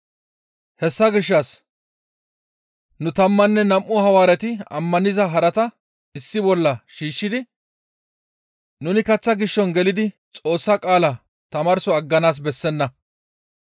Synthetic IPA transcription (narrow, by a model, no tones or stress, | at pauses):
hɛsːɐɡɪʃːɐs | nʊt̪ɐmːɐnːɛnɐmʔʊhɐwaːɾɛt̪ɪɐ̰mːɐnɪzɐɦɐɾɐt̪ɐ | ɪsːɪbɔlːɐʃiːʃːɪd̪ɪ | nʊnɪkɐt͡sːɐɡɪʃːɔnɡɛlɪd̪ɪ | t͡sʼo̞ːsːɐkʼaːlɐ | t̪ɐmɐɾsɔɐɡːɐnaːs̬bɛsːɛnːɐ